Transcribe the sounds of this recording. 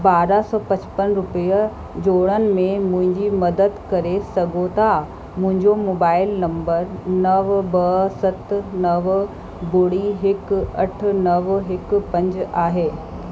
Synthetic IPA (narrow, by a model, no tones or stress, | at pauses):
baːɾasɔːpɐ̃t͡ɕpənɾʊpij | d͡ʑoːɽənɪ̆mẽmʊ̃ɦɪ̃ɲd͡ʑimɐd̪əd̪kɐɾesɐɡʱot̪ʰa | mʊ̃ɦɪ̃ɲd͡ʑomoːbaːɪlnɐ̃mbəɾnɐʋbɐsɐt̪nɐʋ | bʊɽiɦɪkɐʈ̆ʰnɐʋɦɪkpɐ̃ɲd͡ʑaːɦeː